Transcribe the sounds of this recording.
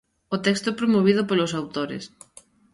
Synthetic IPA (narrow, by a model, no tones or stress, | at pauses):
ʊt̪ɛkst̪ʊɛpɾomoβ̞iðʊpolosawt̪oɾḛs